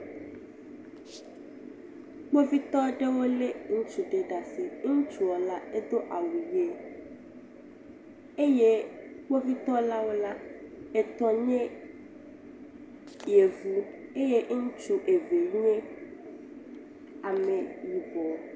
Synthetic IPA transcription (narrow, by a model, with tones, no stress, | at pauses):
ɡ͡bo˦vi˦t̪ɔ˦ɖe˦wo˦le˦ŋũ˦t͡ʃu˨ɖe˨ɖa˨si˨ŋu˦t͡ʃu˨ɔ˨la˦e˦d̪o˦ʔa˨wu˨je˦ | e˦je˦ɡ͡bo˦vi˦t̪ɔ˦la˦wo˦la˦e˨t̪ɔ˦ɲɛ̃˦ | je˨vu˨e˦je˦ŋ̩˦t͡ʃu˦ʔe˨ve˨ɲu˦ẽ˦ | a˨mẽ˨ju˨bɔ˨